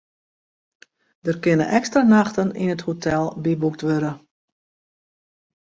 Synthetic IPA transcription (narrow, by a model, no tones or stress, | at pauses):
d̥ərkɪnə̰ʔɛkstranaxtənḭnəthotʰɛlˠbibuk̚tʋøɾə